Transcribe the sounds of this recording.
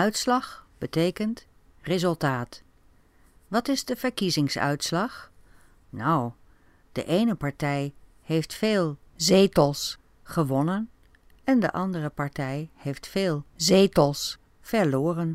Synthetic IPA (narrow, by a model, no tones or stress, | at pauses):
œɥtslɑχb̥ətejkənt | rezɵlˠtaːt | ʋɑtɪzdəvəɹkizɪŋsœ̰ɥtslɑχ | nɔw | d̥ə̰ʔejnəpɑɹtɛj | hejftfeːlˠ | zejtəlˠs | χəʋɔnən | ɛndə̰ʔɑndərəpɑɹtɛjhejftfeːlˠzejtəlˠs | fɛɹlʊːrən